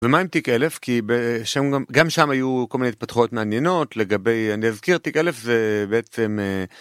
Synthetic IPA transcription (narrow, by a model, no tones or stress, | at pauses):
vemaimt̪ikele̞fkibeʃamɡamɡamʃamajukolmineit̪̚pat̪χojo̞t̪meanje̞no̞tle̞ɡabe̞janiazkiʁt̪ikele̞fzebeet͡se̞me